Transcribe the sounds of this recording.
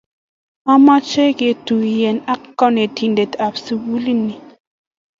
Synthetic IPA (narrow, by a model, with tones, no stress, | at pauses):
ma˦ma˦t͡ʃɛ˦ke˨tu˨jɛ˨na˦kkːɔ˦ne˨tʰi˨n˨de˨ta˨psi˨wu˦li˦nːi˨